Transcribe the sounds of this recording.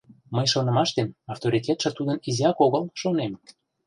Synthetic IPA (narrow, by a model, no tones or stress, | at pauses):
məjʃonɤ̆mɑʃt̪enɑft̪oɾʲitʲet̪ʃə̆t̪ud̪əniziɑkoɣəlʃonem